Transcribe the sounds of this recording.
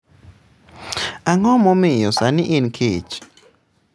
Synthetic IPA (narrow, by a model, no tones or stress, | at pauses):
aŋɔmɔmɪjɔsanɪʔɪnkʰet͡ʃ